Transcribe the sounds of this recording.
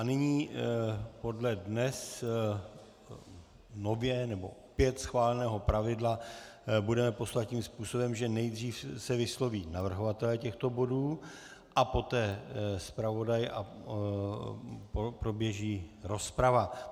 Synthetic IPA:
ʔanɪɲiː | po̞dlɛdnɛs | novjɛnɛbo̞̰pjɛt̪sxvaːlɛnɛːɦo̞pɾavɪdlabudɛmɛpo̞slat̪̚ciːmspuːso̞bɛmʒɛnɛjd̪r̝iːfsɛvɪslo̞viːnavr̩ɦovat̪ɛlɛːcɛxt̪o̞bo̞duː | ʔapo̞t̪ɛːspɾavo̞dajʔa̰ | pɾo̞bjɛʒiːɾo̞spɾava

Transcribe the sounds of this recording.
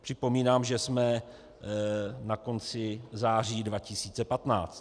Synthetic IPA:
pr̝̥ɪpo̞miːnaːmʒɛsmɛ | nako̞nt͡sɪzaːr̝iːdvacɪsiːt͡sɛpat̪na̰ːt͡st̪

